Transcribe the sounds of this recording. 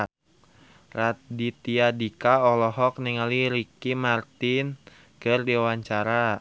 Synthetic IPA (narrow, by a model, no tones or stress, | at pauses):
radit̪iadikaɔlɔɦɔk̚niŋaliɾikimart̪ɪn | kɨrdiawaɲt͡ʃaɾa